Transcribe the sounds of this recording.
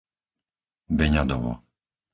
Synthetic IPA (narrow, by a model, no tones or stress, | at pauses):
bɛɲad̪ɔʋɔ̰